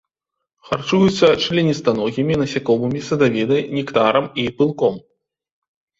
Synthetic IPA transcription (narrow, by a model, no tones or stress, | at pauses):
xart͡ʂujut̪sːɐt͡ʂlʲinʲist̪anɔɣʲimʲinɐsʲakɔmɨmʲisɐd̪avʲinɨjnʲikt̪aɾɐmipɨlˠkɔm